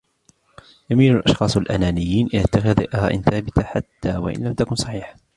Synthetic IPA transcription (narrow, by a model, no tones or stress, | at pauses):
jamiːnalʔɑʃxɑːsˤalʔa̰naːnɪjːiːnʔɪat̪ːaxaða̰ʔaha̰ːʔɪ̰nθaːbɪt̪aħat̪ːaːwa̰ʔɪ̰nlamt̪akʊnsˤɑħiːħ